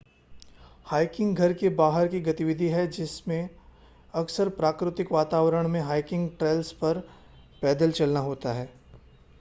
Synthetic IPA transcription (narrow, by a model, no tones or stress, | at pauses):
haːɪkɪ̃ŋɡɡʱɐɾkebaːɦəɾkiɡɐt̪ɪʋɪd̪ʱiɦɛd͡ʒɪsmẽ | ɐksəɾpɾaːkɾɪt̪ɪkʋaːt̪aːʋɾəɽ̃mẽɦaːɪkɪ̃ŋɡʈɾeːlspɐɾ | pɛːd̪əlt͡ʃɐlnaɦoːt̪aɦɛː